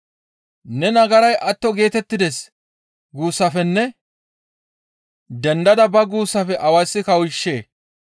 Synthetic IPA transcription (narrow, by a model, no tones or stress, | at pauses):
nɛnɐɡɐɾɐjʔɐt̪ːɔɡe̞ːt̪ɛt̪ːɪd̪ɛs | ɡuːsːɐfɛnːɛ | d̪ɛnd̪ɐd̪ɐbɐɡuːsːɐfɛʔɐwɐjsːɪkɐwʊɪʃːe̞ː